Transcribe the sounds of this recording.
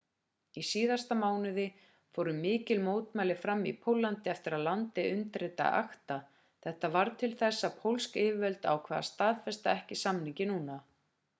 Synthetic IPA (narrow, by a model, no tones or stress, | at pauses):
isiːðast̪amaːwnʏðɪ | foːwɾʏmɪːcɪlmoːwt̪majlɪfɾamːḭpʰowlːant̪ɪɛft̪ɪɾaðlant̪ɪʔʏnt̪ɾɪt̪a̰ʔa̰xt̪a | θɛht̪avaɾt̪ʰɪlθɛsːapʰowlskɪːvɪvœlt̪a̰wkʰvaːða̰st̪aːðfɛst̪aɛhcɪsamniŋcɪnuːna